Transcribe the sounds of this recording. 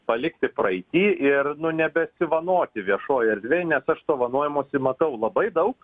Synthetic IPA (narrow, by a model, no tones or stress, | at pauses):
pɐlʲɪkt̪ʲɪprɐɪt̪ʲiːʔɪrnʊnʲɛbʲɛsʲɪʋɐnoːt̪ʲɪʋʲiɛʃoːjɐɾʲd̪ʲʋʲejnʲɛsɐʃt̪oːʋɐnoɔjɛmoːsʲɪmɐt̪ɐʊlˠɐbɐɪd̪ɐʊk